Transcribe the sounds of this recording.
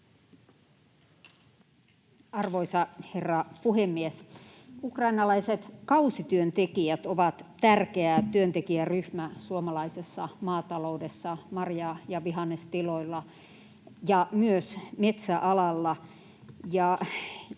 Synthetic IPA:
ɑrʋoisɑherːɑpuhemːies | ukrɑinɑlɑiset̪kɑusit̪yønt̪ekijæt̪oʋɑt̪t̪ærkeæt̪yønt̪ekiæryhmæsuomɑlɑisesːɑmɑːt̪ɑloudesːɑmɑrjɑjɑʋiɦɑnːest̪iloilːɑ | jɑmyøsmet̪sæʔɑlɑlːɑ | jɑ

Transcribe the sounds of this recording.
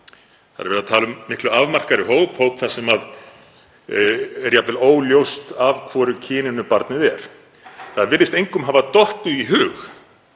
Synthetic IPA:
θa̰ðɛɾvɛɾðat̪ʰaːlʏmːɪhklʏavmar̥kaɾɪɦowphowpθasɛmað | ɾjapɪloːwljowst̪avkʰvɔːɾʏcʰɪːnɪnʏpaɾt̪nɪðɛɾ̥ | θaðvɪɾðɪst̪ejŋkʏmɦavat̪ɔht̪ʏiɦʏːx

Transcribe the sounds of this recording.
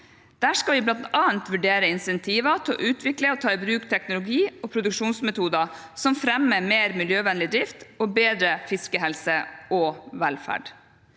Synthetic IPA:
d̪̥æːʂkɑʋɪblɑnt̪ɑːənt̪ʋʉɖeːɾəɪnsɛnt̪ʰiːʋɑt̪ʰɔ̰ʔʉːt̪ʰʋɪkləɔt̪ʰɑːɪbɾʉːkt̪ʰɛknʊlʊɡiːɔpʰɾʊd̪ʉkʂuːnsmɛt̪uːd̪ɑ | sɔmfɾɛmːəmeːɾmɪljøːʋɛnlɪd̪ɾɪft̪ɔbeːd̪ɾəfɪskəɦɛlsəɔʋɛlfæ̰ɖ

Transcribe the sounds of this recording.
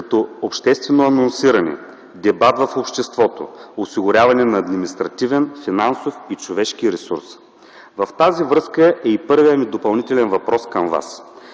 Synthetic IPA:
kɐt̪ɔopʃt̪ɛst̪vɛnoɐnonsiɾɐnɛ̰ | d̪ɛbat̪vɐfopʃt̪ɛst̪vɔt̪o̰osiɡʊɾʲavɐnɛnɐːd̪minist̪ɾɐt̪ivɛnfinansofit͡ʃovɛʃkiɾɛsṵɾs | vɐft̪azivɾɤskəʔɛipɤɾvijəmid̪opɐlˠnit̪ɛlɛnvɐpɾɔskɐmva̰s

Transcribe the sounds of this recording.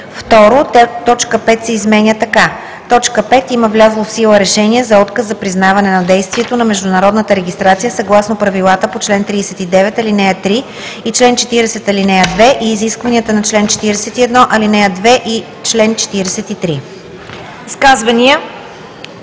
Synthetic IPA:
ft̪ɔɾot̪ɔt͡ʃkəpɛt̪sɛizmɛnʲjət̪ɐka | t̪ɔt͡ʃkəpɛt̪iməvlʲazlˠofsilˠəɾɛʃɛniɛzɐɔt̪kəszɐpɾiznavɐnɛnɐd̪ɛjst̪viɛt̪onɐmɛʒd̪ʊnɐɾɔd̪nət̪əɾɛɡʲist̪ɾat̪sijəsɐɡlˠasnopɾɐvilˠat̪əpot͡ʃlɛnt̪ɾiːsɛt̪id̪ɛvɛt̪ɐlinɛət̪ɾi | it͡ʃlɛnt͡ʃɛt̪iɾɛsɛt̪ɐlinɛəd̪vɛʔiːziskvɐniət̪ənɐt͡ʃlɛnt͡ʃɛ̥t̪iɾɛsɛt̪iɛd̪nɔʔɐlinɛəd̪vɛʔi | t͡ʃlɛnt͡ʃɛ̥t̪iɾɛsɛt̪it̪ɾi | iskazvɐnʲiə

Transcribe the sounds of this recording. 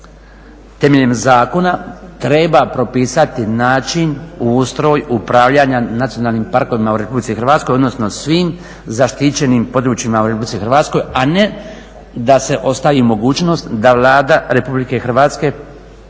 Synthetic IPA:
t̪e̞meʎemzaːko̞nat̪ɾe̞bapɾo̞piːsat̪inaːt͡ʃinust̪ɾo̞ːjupɾaːʋʎaːɲanat̪sijo̞naːlnimpaɾko̞ʋimauɾe̞publit̪sixɾʋaːt̪skoo̞d̪no̞sno̞sʋiːm | zaʃt̪it͡ɕe̞nimpo̞d̪ɾuːt͡ʃimauɾe̞publit̪sixɾʋaːt̪sko̞jane̞ | d̪ase̞ʔo̞st̪aʋimo̞ɡuːt͡ʃno̞st̪d̪aʋlˠaːd̪aɾe̞publike̞xr̩ʋaːt̪ske̞

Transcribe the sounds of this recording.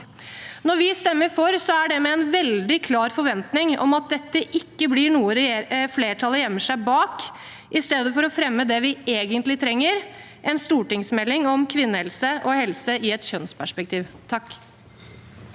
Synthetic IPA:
nɔɾʋɪst̪ɛmːəɾfɔɾsɔæɖɛmɛɛnʋɛld̪ɪkʰlɑːɾfɔɾʋɛnt̪nɪŋɔ̰mɑt̪̚d̪ɛt̪ːəʔɪkːəblɪɳuːəɾɛfleːʈʰɑlːəjɛmːəʂæɪbɑːk | ʔɪst̪eːd̪əfɔɾɔfɾɛmːəd̪ɛʋɪeːɡənt̪lɪt̪ʰɾɛŋːəɾ | ʔɛnst̪uːʈɪŋsmɛlːɪŋɔmkʰʋɪnːəhɛlsəʔɔhɛlsəɪɛt̪çœnspʰæʂpɛk̚t̪ʰiːʋt̪ʰɑkː

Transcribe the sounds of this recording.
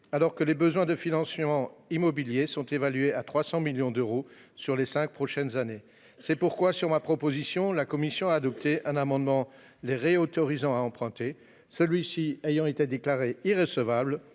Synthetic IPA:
alɔʁkəlebəzwɛ̃d̪əfinɑ̃smɑ̃imɔbiljesɔ̃t̪evalɥeat̪χwasɑ̃miljɔ̃d̪øʁo | syʁlesɛ̃k̚pχɔʃɛnzane | sɛpuʁkwasyʁmapχɔpozisjɔ̃lakɔmisjɔ̃aːd̪ɔp̚t̪eʔɛ̃namɑ̃d̪mɑ̃ | leʁeot̪ɔʁizɑ̃aɑ̃pχɛ̃t̪e | səlɥisiejɑ̃et̪ed̪eklaʁeiʁəsəvabl

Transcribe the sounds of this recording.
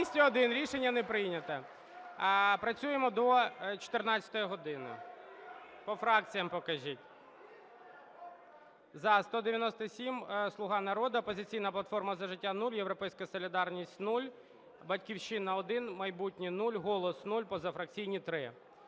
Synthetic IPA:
sʲtʲiɔd̪ɪnɾʲiʃenʲːɐnɛpɾɪjnʲɐt̪ɐ | pɾɐt͡sʲujemɔd̪ɔt͡ʃɔ̥t̪ɪrnɑt͡sʲɐ̥t̪ɔjiɦɔd̪ɪnɪ̰ | pɔfɾɑkt͡sʲijɐmpɔkɐʒʲitʲ | zɐst̪ɔd̪eʋʲjɐnɔst̪ɐsʲimslˠʊɦɑnɐɾɔd̪ɐɔpɔzɪt͡sʲijnɐplˠɐt̪fɔrmɐzɐʒɪtʲːanulʲjewɾɔpɛjsʲkɐsɔlʲid̪ɑrnʲisʲtʲnulʲ | bɐtʲkʲiwʃɪnɐɔd̪ɪnmɐjbutʲnʲinulʲɦɔlˠɔsnulʲpɔzɐfɾɐk̚t͡sʲijnʲit̪ɾɪ

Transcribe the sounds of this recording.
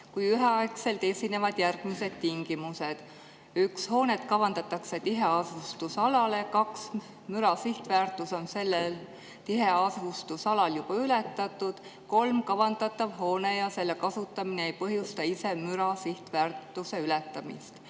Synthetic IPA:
kujyɦeɑekse̞lt̪e̞sʲine̞vɑd̪̥jærɡ̥mise̞d̪̥t̪iŋɡ̥imuse̞d̪̥ | yksho̞ːnet̪kɑvɑnd̪̥ɑt̪ːˑɑkse̞t̪iɦe̞ɑsust̪usɑlɑle̞kɑks | myɾɑsiht̪væːrt̪ːˑuso̞nse̞lːel | t̪iɦe̞ɑsust̪usɑlɑljub̥ɑyle̞t̪ːˑɑt̪ːˑud̪̥ | ko̞lmkɑvɑnd̪ɑt̪ːˑɑvɦo̞ːne̞jɑse̞lːekɑsut̪ːˑɑmineejpɤɦjust̪ɑise̞myɾɑsiht̪væːrt̪ːˑuse̞ylet̪ːˑɑmḭst̪

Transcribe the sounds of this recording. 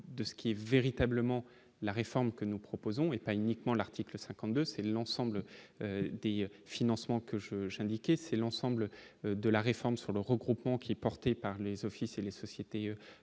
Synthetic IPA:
d̪əsə̥kʲiɛveʁit̪abləmɑ̃ | laʁefɔʁmkənupχɔpozɔ̃epaynikmɑ̃laʁt̪ikləsɛ̃kɑ̃t̪̚d̪øsɛlɑ̃sɑ̃blød̪efinɑ̃smɑ̃kəʒəʒɛ̃d̪ikʲɛsɛlɑ̃sɑ̃blød̪əlaʁefɔʁmsyʁləʁəɡʁupmɑ̃kʲʰiɛpɔʁt̪epaʁlezɔfiselesɔsjet̪eø

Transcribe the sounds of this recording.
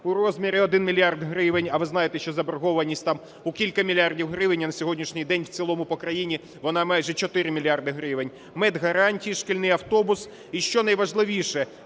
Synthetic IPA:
ʊɾɔzʲmʲiɾʲiɔd̪ɪnmʲilʲjɑrd̪ɦɾɪʋenʲɐʋɪznɑjet̪ɛʃt͡ʃɔzɐbɾɦɔʋɐnʲisʲtʲt̪ɑm | ʊkʲilʲkɐmʲilʲjɑrdʲiwɦɾɪʋɪnʲːɐnɐsʲɔɦɔdʲnʲiʃnʲɪjd̪ɛnʲwt͡sʲilˠɔmʊpɔkɾɐjinʲi | ʋɔnɑmɑjʒɛt͡ʃɔt̪ɪɾɪmʲilʲjɑrd̪ɪɦɾɪʋɪnʲ | mɛd̪ɦɐɾɑnʲtʲijiʃkɪlʲnɪjɐwt̪ɔbʊs | iʃt͡ʃɔnɐjʋɐʒlˠɪʋʲiʃɛ

